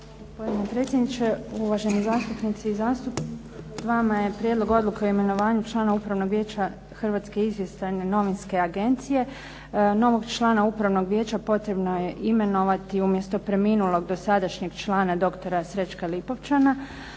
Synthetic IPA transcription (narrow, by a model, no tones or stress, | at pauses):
ɡospod̪inepɾe̞ːt̪sʲjed̪nit͡ʃeuʋaʒe̞nizaːst̪upnit̪siːzaːst̪up̪ | ʋamaje̞pɾjed̪lˠo̞ɡo̞d̪lukeoime̞no̞ʋaːɲut͡ʃlˠaːnaupɾaʋno̞ɡʋje̞ːt͡ɕa | xr̩ʋaːt̪ske̞izʋje̞st̪aneno̞ʋinske̞aɡe̞nt̪sije̞ | no̞ʋo̞ɡt͡ʃlˠaːnaupɾaʋno̞ɡʋʲjeːt͡ʃapo̞t̪ɾe̞bnoje̞ʔime̞no̞ʋat̪iumje̞st̪opɾe̞minulo̞ɡd̪o̞sad̪aʃɲeɡt͡ʃlaːnad̪o̞kt̪o̞ɾasɾe̞t͡ʃkalipo̞ʋt͡ʃana